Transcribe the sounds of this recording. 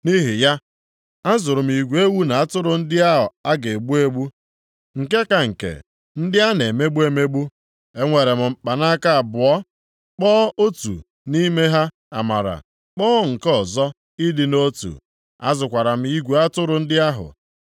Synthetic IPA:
ni˦ɦi˨ja˦ | a˦zʊ˨ɾʊ˨m̩˦i˨ɡʷe˦wu˦na˨a˦tʊ˦ɾʊ˨n̩˦dɪ˦a˦ɦʊ˨a˦ɡe˨ɡ͡bu˦e˦ɡ͡bu˦ | ŋ̩˨ke˦ka˨ŋ̩˨kḛ˨ | n̩˦dɪ˦a˦ne˨me˦ɡ͡bu˦e˦me˦ɡ͡bu˦ | e˦ŋʷe˨ɾe˨m̩˨m̩˨k͡pa˨na˦ka˦a˨bʊ˨ɔ˦ | k͡pɔ˦o˦tṵ˨ | ni˦me˦ɦa˦ | a̰˨ma̰˨ɾa̰˨ | k͡pɔː˦ŋ̩˨kɔ˦˨zɔ˦ | i˦dɪ˨no˦tṵ˨ | a̰˦zʊ˨kʷa˨ɾa˨m̩˦i˦ɡʷe˨a˦tʊ˦ɾʊ˨n̩˦dɪ˦a˦ɦʊ̰˨

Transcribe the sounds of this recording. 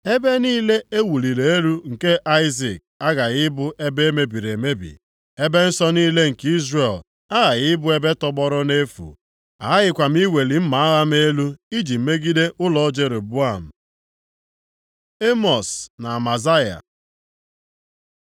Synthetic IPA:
e˦be˦niː˦le˦e˦wu˨li˨ɾe˨e˦ɾu˦ŋ̩˨ke˦ʔa˦ɪ˦zi˨k̚a˦ɡa˨ɣɪ˦bʊ˦ʔe˦be˦e˦me˦bi˨ɾe˨me˦bḭ˨ | e˦be˦n̩˦sɔ˦niː˦le˦ŋ̩˨ki˦zre˨l | a˦ɣa˨ɣɪ˦bʊ˦e˦be˦tɔ˦ɡ͡bɔ˦ɾʊ˦ne˦fṵ˨ | a̰˨˦ɣɪ˦kʷa˨m̩˦i˦we˨li˨m̩˦ma˨˦a˦ɣa˦m˦e˦lu˦i˦d͡ʒi˨m̩˦me˦ɡi˦de˦ʔʊ˦lɔ˦ɔ˦d͡ʒe˦ɾe˨bu˦a˦˨m̩˨ | e˦mɔ˨sna˨a˨ma˨za˦ja̰˨

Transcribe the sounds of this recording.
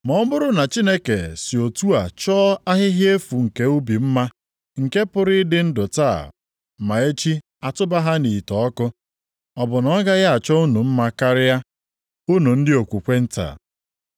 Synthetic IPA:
mɔ˦ɔ˦mʊ˦ɾʊ˦na˨t͡ʃi˦ne˦ke˨sɪ˨o˨tu˦a˨t͡ʃɔ˦a˦ɦɪ˦ɦje˦fu˨ŋ̩˨ke˦u˦bi˨m̩˦ma˦ | ŋ̩˨ke˦pʊ˦ɾɪ˦dɪ˦n̩˦dʊ˨taː˦˨ | ma˨e˦t͡ʃi˦ | a˨tʊ˦ba˦ɦa˦ni˨tɔ˨ɔ˦kʊ˦ | ɔ˨bʊ˨nɔ˦ɡa˦ɣa˦a˨t͡ʃɔ˦u˦nu˨m̩˦ma˦ka˦ɾɪ˦ja˦ | u˦nu˨n̩˦dɪ˦o˨kʷu˨kʷe˦n̩˦ta̰ː˨

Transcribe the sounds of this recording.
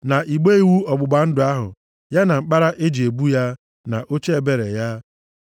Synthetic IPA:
na˨ʔi˨ɡ͡be˦i˦wu˦ɔ˨ɡ͡bʊ˨ɡ͡ba˨n̩˦dʊ˨a˦ɦʊ̰˨ | ja˦na˨ŋ͡m̩˦k͡pa˦ɾa˦ʔe˦d͡ʒi˨e˨bu˦ja˦ | na̰˨ʔo˦t͡ʃe˦e˦˨be˨ɾḛ˨ja˦

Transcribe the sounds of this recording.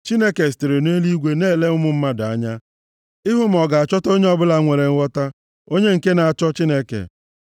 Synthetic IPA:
t͡ʃi˦ne˦ke˨ste˨ɾe˨ne˦li˦ɡʷe˦neː˦˨le˦ʊ˦mʊ˦m̩˦ma˦da˦ɲa˦ | ɪ˦ɦʊ˦m̩˨ɔ˨ɡa˨a˨t͡ʃɔ˦to˦ɲe˦ɔ˦bʊ˦la˨˦ŋʷe˨ɾe˨ŋ̩˦wɔ˦ta˦ | o˦ɲe˦ŋ̩˨ke˦na˨a˨t͡ʃɔ˦t͡ʃi˦ne˦kḛ˨

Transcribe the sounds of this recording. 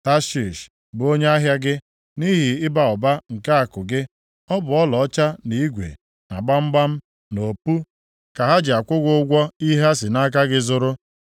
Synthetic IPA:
ta˦ʃi˨ʃ | bo˦ɲe˦a˦ɦja˦ɡɪ˦ | ni˦ɦi˨ɪ˦ba˨ʊ˨ba˦ŋ̩˨ka˦a˨kʊ˨ɡɪ˦ | ɔ˦bʊ˨ɔ˦lɔ˨ɔ˦t͡ʃa˦ni˨˦i˦ɡʷḛ˨ | na̰˨ɡ͡ba˦m̩˦ɡ͡ba˦m̩˦ | no˨pu˦ | ka˨ɦa˦d͡ʒɪ˨a˨kʷʊ˦ɡʷʊ˦ʊ˦ɡʷɔ˦i˦ɦa˦sɪ˨na˦k̬a˦ɡɪ˦zʊ˦ɾʊ˦

